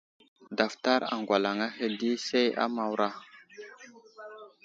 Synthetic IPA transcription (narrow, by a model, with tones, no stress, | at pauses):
da˨fta˦ɾa̰˨ŋɡʷa˨la˨ŋa˦he˨di˦se˦ja̰˦ma˨wɾa˦